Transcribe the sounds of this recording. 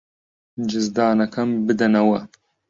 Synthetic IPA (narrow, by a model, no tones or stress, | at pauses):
d͡ʒɨzd̪aːnɐkʰɐmbɨd̪ɐnɐwɐ